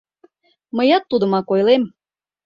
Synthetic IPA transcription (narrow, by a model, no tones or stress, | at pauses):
məjɑt̪ːud̪ə̆mɑkojlem